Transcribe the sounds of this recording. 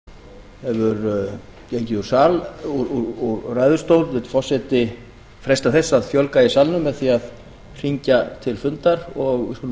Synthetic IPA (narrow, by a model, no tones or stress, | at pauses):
hɛvʏɾ | cejɲcɪðuɾ̥saːluɾuuɾraːjðʏɾ̥st̪oːwlvɪt̪fɔr̥sɛt̪ɪ | fɾɛst̪aθɛsːaðfjœlkaɪsalnʏmːɛðθiað | r̥iɲcat̪ʰɪlfʏnt̪aɾɔɣɪ̰kʏl